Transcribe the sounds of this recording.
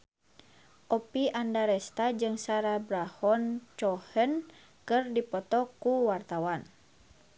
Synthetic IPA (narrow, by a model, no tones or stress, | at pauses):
ʔɔpiʔandaɾɛst̪ad͡ʒɨŋsaɾabɾahɔnt͡ʃɔhən | kɨrdipɔt̪ɔkuwart̪awan